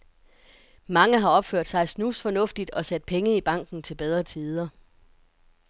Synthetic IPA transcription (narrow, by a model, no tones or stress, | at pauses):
mɑ̈ŋəɦɑ̈ɒ̽b̥føɐ̰d̥sɑ̈ɪsnusfɒ̽nɔ̽fd̥id̥ɒ̽sæd̥̚pʰeŋəib̥ɑ̈ŋ̰ɡ̥n̩t͡sʰe̝lb̥eð̞ˠʁɐt͡sʰiːð̞ˠɐ